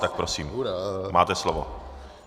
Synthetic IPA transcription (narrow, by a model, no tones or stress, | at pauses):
t̪ak̚pɾosiːmmaːt̪ɛslovo